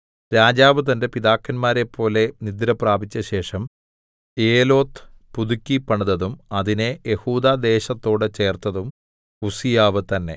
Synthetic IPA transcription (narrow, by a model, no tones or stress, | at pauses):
ɾaːd͡ʑaːʋɨt̪ɐnde̞piðaːkːɐnmaːɾepʰːo̞ːle̞nid̪ɾɐpraːbit͡ɕːɐɕe̞ːʂɐm | eːlo̞ːt̪pud̪ukʲːipːɐɳɐðɐðumɐðine̞jehuːd̪aːd̪e̞ːɕɐt̪ːo̞ːɽɨt͡ɕe̞ːrt̪ɐðum | usijaːʋɨt̪ɐnːe̞̰